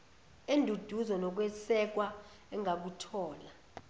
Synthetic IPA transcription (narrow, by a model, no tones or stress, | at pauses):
endʱud̥ʱuzɔnɔk̬wɛsɛk̬ʼwa | ɛŋʱak̬utʰɔːla